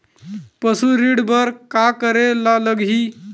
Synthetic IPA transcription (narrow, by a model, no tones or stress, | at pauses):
pəsuɾiɽbəɾkakəɾelaləɡɦi